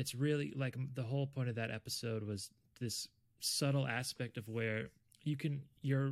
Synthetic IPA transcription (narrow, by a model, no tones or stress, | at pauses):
ɨtsɹɪlˠḭlaɪkðəɦoʊlˠpʰɔ̃ɪ̃tʌvðɨɾʔɛ̰pɨsoʊd̚wʌz | ðɪs | ʌɾl̩ˠæspɛk̚tʌvwə˞ | jɨkʰɨ̃njə˞